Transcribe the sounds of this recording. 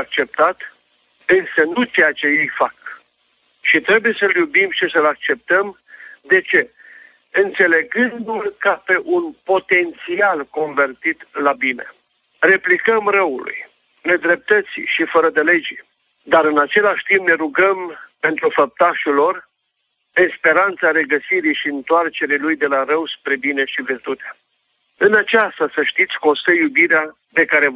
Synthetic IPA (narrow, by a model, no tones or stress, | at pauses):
ak̚t͡ʃe̞p̚t̪at̪ | ɨnsənut͡ʃejat͡ʃe̞je̞jfak | ʃit̪ɾe̞buje̞səljubimʃisəlak̚t͡ʃe̞p̚t̪əm | d̪e̞t͡ʃe̞ | ɨnt̪se̞le̞ɡɨnd̪ulkape̞ʔunpo̞t̪e̞nt̪sialko̞ɱve̞rt̪it̪labine̞̰ | re̞plikəmrəulṵj | ne̞d̪ɾe̞p̚t̪ət̪sḭʃifəɾəd̪ele̞d͡ʒi | d̪aɾɨnat͡ʃe̞laʃʲt̪imbne̞ɾuɡəmpe̞nt̪ɾufəp̚t̪aʃulo̞r | espe̞ɾant̪saɾe̞ɡəsiɾiʃiɨnt̪oart͡ʃe̞ɾilujd̪e̞laɾəwspɾe̞bine̞ʃivirt̪ut̪ea | ɨnat͡ʃast̪asəʃt̪it̪sʲko̞nst̪əjubiɾea | d̪e̞kaɾe̞